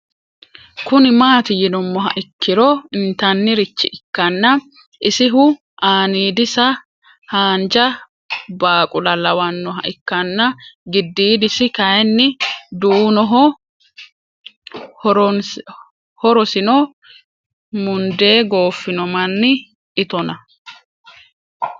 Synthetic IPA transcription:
kʊnɪmaːt̪ɪjɪnɔmːɔɦɐʔɪkːɪɾɔɪnt̪ɐnːɪɾɪt͡ʃːɪʔɪkːɐnːɐ | ʔɪsɪɦʊ | ʔaːniːd̪ɪsɐ | haːnd͡ʒɐ | baːkʼʊlɐlɐwɐnːɔɦɐ̰ʔɪkːɐnːɐɡɪd̪ːiːd̪ɪsɪkɐjɛnːɪd̪unɔɦɔ | ɾ | hɔɾɔsɪnɔ | mʊnd̪e̞ːɡo̞ːfːɪnɔmɐnːɪ | ʔɪt̪ɔnɐ

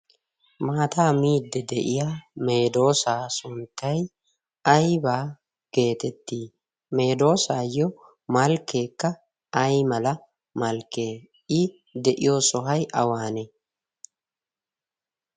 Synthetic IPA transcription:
maːt̪aːmiːd̪ːɛd̪ɛʔɪjaːme̞ːd̪o̞ːsaːsʊnt̪ːɐj | ɐjbaː | ɡ̥e̞ːt̪ɛt̪ːiː | me̞ːd̪o̞ːsaːjɔ | mɐlkːe̞ːkːɐ | ɐjmɐlɐ | mɐlkːe̞ː | ɪ | d̪ɛʔɪjoːsɔɦɐjʔɐwaːnɛ

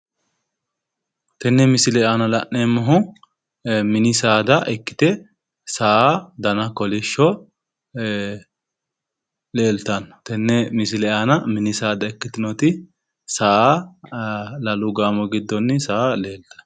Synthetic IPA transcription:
t̪ɛnːɛmɪsɪlɛanɐlɐ̰ʔːemɔɦʊ | mɪnɪsaːd̪ɐʔɛkːɪ̥t̪ɛ | saːd̪ɐnɐkɔlɪʃːɔ | le̞ːlt̪ɐnt̪ɛnːɛmɪsɪlɛaːnɐmɪnɪsaːd̪ɐɛkːɪt̪ɪnɔt̪ɪ | saː | lɐlʊɡaːmɔɡɪd̪ːɔnːɪsaːle̞ːlt̪ɐ̥n

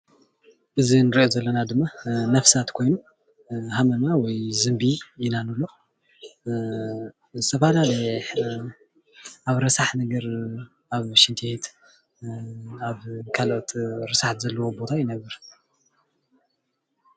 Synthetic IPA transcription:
ʔɨzinɨɾiʔozɐlːɐnad̪ɨmːanɐfsat̪kʰojnu | hamɐnawɔjzɨmbijɪnanulːo̞ | zɨt̪ʰɐfalalɐħ | ʔaβɾɐsaħnɐɡɐɾ | aβʃint̪ʰet̪ʰ | aβkʰalot̪ɾɨsaħt̪zɐlːɐwo̞bo̞t̪ʰajɪnɐβɨɾ

